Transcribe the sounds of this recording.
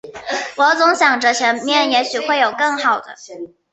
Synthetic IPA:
wɔ˧˥t͡sʊ˧˥ŋɕjɑ˨˩ŋʈ͡ʂə˧˥t͡ɕʰjɛ˧˥nmjɛ˥˩njɛ˧˥ɕy˨˩xwe˥˩ɪjo˨˩ʊkɤ˥˩ŋxɑ˨˩ʊd̪ə̰˦

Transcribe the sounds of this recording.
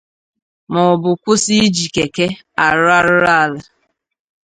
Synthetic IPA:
mɔ˨bʊ˨kʷʊ˦si˦d͡ʒi˨ke˨ke˦ | a˨ɾʊ˦a˦ɾʊ˦ɾa˦˨la˨

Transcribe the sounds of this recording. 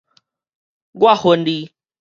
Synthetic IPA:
ɡwa˦ho˨ndi˦

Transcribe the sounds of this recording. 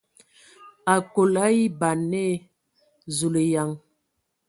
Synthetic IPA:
a˨ko˨la˦i˦ba˨nɛ˦ | zu˨le˨ja˨ŋ

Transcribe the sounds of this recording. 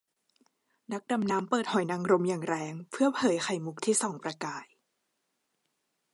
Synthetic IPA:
na˦˥k̚da˧mnaː˦˥mpɤː˨˩t̪̚hɔ˨˩jna˧ŋɾo˧mjaː˨˩ŋɾɛː˧ŋpʰɯ˥˩ɐpʰlɤː˨˦jxa˧jmu˦˥k̚t̪ʰiː˥˩sɔː˩˦ŋpɾa˧kaː˨˩j

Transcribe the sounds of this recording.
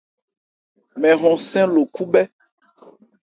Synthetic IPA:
mɛ̃˨ɣɔ̃˨sɛ̃˦lo˨ku˦bɛ˦

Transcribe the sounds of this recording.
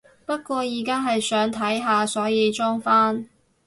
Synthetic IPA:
pɐ˥t̚kʷɔː˧jiː˨˩kaː˥ɦɐ˨jsœː˨˥ŋt̪ʰɐ˨˥jɦaː˨sɔː˨˥jiː˨˧t͡ʃɔː˥ŋfaː˥n

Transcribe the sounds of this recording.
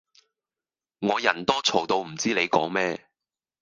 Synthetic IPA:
ŋɔː˨˧jɐ˨˩nt̪ɔː˥t͡sʰo˨˩wt̪o˧wm̩˨˩t͡siː˥le˨˧jkɔ̰ː˨˥ŋmɛː˥

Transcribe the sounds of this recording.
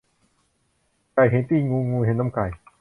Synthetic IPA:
ka˨˩jɦe˨˦nt̪iː˥˩ŋuː˧ŋuː˧ɦe˨˩˦nːa˧˥˩mka˨˩j

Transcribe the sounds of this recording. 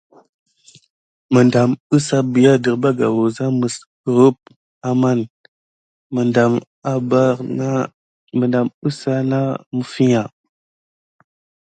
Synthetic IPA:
mə˨nda˨mə˦sa˦bi˨ja˦də˨ɾba˦ɡa̰˨wu˨za˦mə˨s | ə˨ɾə˦p̚ | a˨ma˦˨n | mə˨nda˨m | a˦ba˦ɾa˦ | mə˨nda˨mə˦sa˦na˦mə˨fi˦ɲa˨

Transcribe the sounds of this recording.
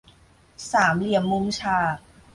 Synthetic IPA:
saː˩˦mli˨˩əmːu˦˥mt͡ɕʰaː˧˩

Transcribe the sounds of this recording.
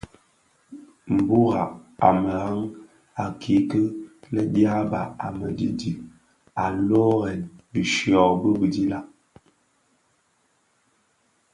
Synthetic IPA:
m̩˨bu˦ɣa˨a˨mə˨ɣa˦ŋ | a˨kʰi˨˦kə˦lə˦dja˦ba˨a˨mə˨di˦di˨ | a˨lɔ˦ɣɛ˨nbi˨ʃjɔ˨bə˦bi˨di˦la˦

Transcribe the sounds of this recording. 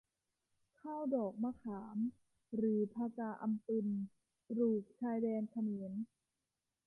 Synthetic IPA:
kʰaː˥˩wdɔː˨˩k̚maː˧˩kʰaː˩˦m | ɾɯː˩˦pʰaː˧kaː˧ʔa˧mp̪i˧n | pɾuː˨˩k̚t͡ɕʰaː˧jdɛː˧nkʰa˧mi˩˦n

